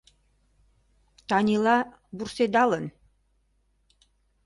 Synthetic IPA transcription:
t̪ɑnʲilɑ | bursed̪ɑlən

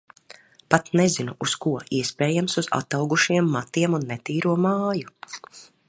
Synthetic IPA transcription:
pat̪nɛzinuʔuskuɔiɛspeːjamsuza̰t̪awɡuʃiɛmːat̪iɛmunːɛt̪iːɾuɔmaːju

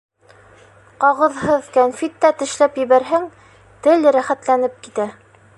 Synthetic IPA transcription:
qɑʁɤ̆ðɦɤðkænfit̪ːæt̪ɘ̆ʃlæpjɘ̆βæɾɦæŋ | t̪ɘlɾæχæt̪lænɘp̚kit̪æ

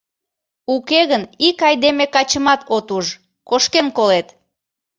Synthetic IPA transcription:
ukeɣənikɑjd̪emekɑt͡ɕəmɑt̪ot̪uʒ | koʃkenkolet̪

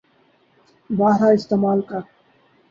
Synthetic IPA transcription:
baːɦɾaɪst̪eːmaːlka

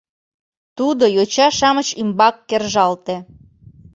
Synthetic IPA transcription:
t̪ud̪ojot͡ɕɑʃɑmət͡ɕimbɑkːerʒɑlt̪e

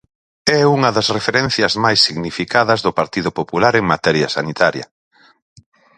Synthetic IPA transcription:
ɛuŋɐðɐsrefeɾɛn̟θjɐzmajsːiɣnifikaðɐzðʊpaɾt̪iðʊpopulaɾeŋmat̪ɛɾjɐsanit̪aɾjɐ̰

